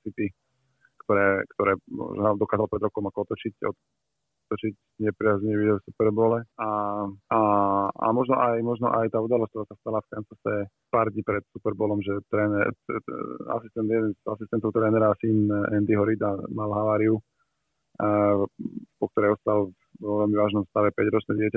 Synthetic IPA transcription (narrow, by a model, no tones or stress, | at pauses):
sit̪i | kt̪ɔɾɛːkt̪ɔɾɛːmɔ̰ʒnd̪ɔkaːzalpɾɛd̪ɾɔkɔmakɔɔt̪ɔt͡ʃicɔ̰ | ɔt̪ɔt͡ʃic | ɲɛpɾɪazɲɛʋid̪ɔsupɛɾbɔːlɛaaa̰mɔʒnɔʔajmɔʒnɔʔajt̪aːud̪alɔst̪ʋaːsast̪alafk̪ɛnt͡sasɛ | paːɾd̪ɲiːpɾɛt̪supɛɾbɔːlɔmʒɛt̪ɾɛːnɛ | a̰sist̪ɛnd̪jɛd̪ɛnzasist̪ɛnt̪ɔʊt̪ɾɛːnɛɾasiːnɛnd̪iɦɔɾid̪amalɦaʋaːɾiu | pɔk̚t̪ɔɾɛjɔst̪al | ʋɔʋɛlmiʋaːʒnɔmst̪aʋɛpɛɟɾɔt͡ʃnɛɟɪɛca